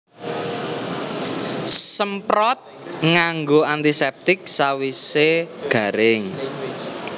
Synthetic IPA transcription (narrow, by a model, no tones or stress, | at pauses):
səmpɾɔt̪̚ŋaŋɡoant̪isɛp̚t̪ɪk̚sawiseɡ̥ä̤ɾɪŋ